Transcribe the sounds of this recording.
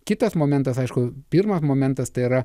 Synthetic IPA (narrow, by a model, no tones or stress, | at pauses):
kʲɪt̪ɐsmoːmʲɛnt̪ɐsɐɪʃkʊpʲɪɾmɐsmoːmʲɛnt̪ɐst̪ɐɪiɾɐ